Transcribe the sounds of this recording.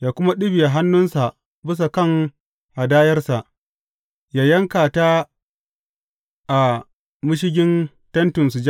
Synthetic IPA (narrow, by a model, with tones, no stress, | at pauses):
jaː˨kʷʊ˦ma˦ɗɪ˦bɪ˨ja˨ɦa˦nːʊ˦nsa˨ʔ | bɪ˦s̬a˨kɐ˦˨ŋ | ha˨daː˦jɐ˦rsa˨ʔ | jaː˨jɐ˦ŋkaː˨ta˦ | ʔa˨ | mʊ˦ʃ̬ɪ˦ɡʲɪ˦n | tɐ˦ntʊ˨nsu˨d͡ʒa˦